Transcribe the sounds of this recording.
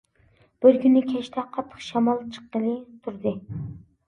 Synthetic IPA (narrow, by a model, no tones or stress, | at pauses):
b̥ɪɾkʲʰynːɪkʲʰɛt͡ʃt̪ʰɛqʰɑt̪ʰːə̥χʃɑmɑlˠt͡ʃʰə̥qːəlˠɨt̪ʰuɾd̪ɨ